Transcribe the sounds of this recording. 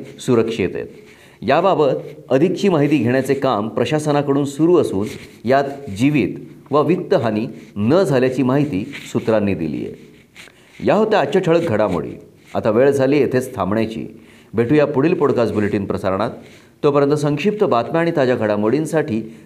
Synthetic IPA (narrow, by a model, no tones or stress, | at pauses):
suɾəkʂiet̪ḛt̪ | jababət̪əd̪ʱikt͡ɕiːmaɦit̪̬iːɡʱeɳjat͡sekampɾəɕasənakəɽuːnsuɾuːəsuːnjat̪d͡ʑiʋiːt̪ʋəʋik̚t̪əɦaninəd͡zʱaljat͡ɕiːmaɦit̪iːsut̪ɾanːiːd̪ḭlḭːjḛ | jaɦot̪aat͡ɕaʈʰəɭək̚ɡʱəɽamo̰ɽḭː | a̰t̪aʋeɭd͡zʱaliːet̪ʰet͡st̪ʰamɳjat͡ɕḭː | bʱeʈʰujapuɽ̤iːlpoɽkat͡sbuleʈiːnpɾəsaɾɳ̃at̪ː | opəɾjənt̪əsəŋkʂip̚t̪əbat̪mjaːɽ̃it̪ad͡ʑaɡʱəɽamoɽinsaʈʰiː